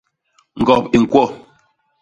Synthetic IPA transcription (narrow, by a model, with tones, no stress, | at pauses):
ŋ̩˨ɡɔ˨p̚i˨ŋ̩˨kwɔ˦˨